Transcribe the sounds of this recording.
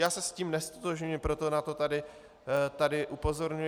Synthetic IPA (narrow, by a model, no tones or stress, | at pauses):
jaːsɛsciːmnɛst̪ot̪oʒɲuɪmpɾo̞t̪o̞nat̪o̞t̪adɪ | t̪adɪʔupo̞zo̞ɾɲu